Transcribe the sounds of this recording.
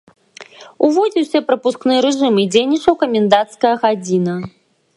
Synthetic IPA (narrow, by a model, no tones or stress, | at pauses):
uvɔd͡zʲiwsʲɐpɾɐpusknɨjɾɛʐɨmid͡zʲejnʲit͡ʂɐwkɐmʲɛnd̪at̪skɐjɐɣad͡zʲinɐ